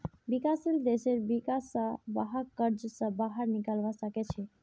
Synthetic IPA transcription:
bikasild̪eseɾbikasːə̃ba̰ɦəkəɾd͡ʒsə̃baɦəɾnikəlbasəkɛt͡ʃʰɛ

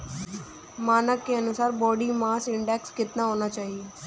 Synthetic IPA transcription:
maːnəkːeɐnʊsaːɾbɔːɖimaːsɪ̃ɳɖɛːkskɪt̪naɦoːnat͡ʃaːɦieː

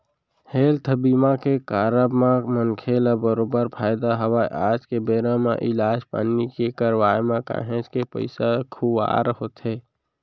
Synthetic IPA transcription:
heːlt̪ʰəbiːmãkekaːɾəbmãmənkʰelabəɾoːbəɾpʰaːɪd̪aɦəwaːʔaːd͡ʒkebeːɾãmḛ̃ʔɪlaːd͡ʒpa̰nːikekəɾwaːjmẽka̰ːɦẽd͡ʒkepə̰ɪsekʰuwa̰ːɾəɦot̪ʰeː

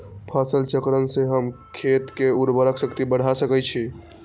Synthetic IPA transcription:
pʰasəlt͡ʃəkɾənsẽɦəmkʰet̪keuɾbəɾəksəkt̪ibəɽ̤ʱasəkɛt͡ʃʰi

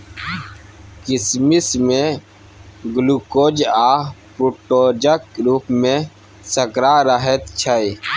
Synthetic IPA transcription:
kɪsmismẽ | ɡlukod͡ʒapuʈod͡ʒək̚ɾuːpmẽ | səkɾaːɾəɦet̪t͡ʃʰəj

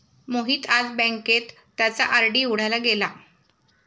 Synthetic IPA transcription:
moɦiːt̪ad͡zbə̃ŋket̪ːjat͡saʔəɾɖiːuɽ̤ajlaɡela

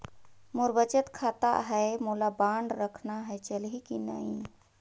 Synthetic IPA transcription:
moɾbət͡ʃət̪kʰat̪a̰ɦəmulabaɳɖɾəkʰnaɦəjt͡ʃəlɦikina̰ĩ

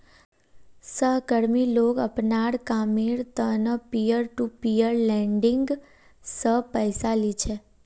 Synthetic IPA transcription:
səɦɡəɽmilokəpnaɽkamiɾt̪ənəpijəɾʈupijəɾlɛɳɖɪ̃ŋɡ | səɦpəjsalit͡ʃʰe

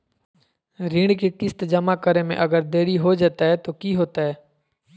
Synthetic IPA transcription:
ɾĩːɽkeʈɪst̪d͡ʒɐmakəɾemḛ̃ʔɐɡəɾd̪eːɽiɦod͡ʒaːt̪aɦɛt̪okiɦoːt̪aɦɛː

